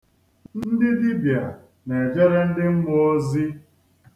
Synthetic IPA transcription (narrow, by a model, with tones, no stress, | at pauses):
n̩n̩˦dɪ˦di˦bja˨ | ne˨d͡ʒe˦ɾe˦n̩˦dɪ˦ŋ̩˦ŋʷo˦o˦zi˦